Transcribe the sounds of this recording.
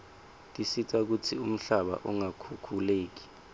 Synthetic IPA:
tʼisitʰʼak̬utʰium̩ɬaɓa̰ʔuŋakʰukʰuleːk̬i̥

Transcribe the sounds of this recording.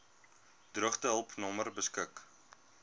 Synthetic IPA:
d̥rəχtəɦəlˠpnɔmərbəskək

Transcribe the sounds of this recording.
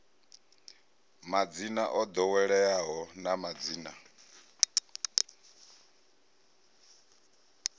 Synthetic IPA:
mad͡zinaʔɔd̪ɔwɛɺɛaɦɔnamad͡ziːna

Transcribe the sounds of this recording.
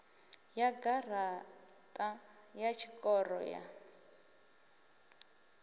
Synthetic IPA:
jaɡar̤atʼa | jat͡ʃʰikʼɔrɔ̰ja̰

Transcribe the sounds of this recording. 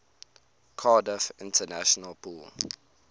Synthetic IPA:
kʰaːdəfɪ̃ntʰənaʃɔnəlpʰuːl

